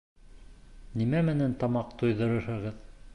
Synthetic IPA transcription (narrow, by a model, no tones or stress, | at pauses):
nimæmɘ̆nænt̪ɑmɑqt̪ojðɤ̆ɾɤ̆ɾhɤ̆ʁɤð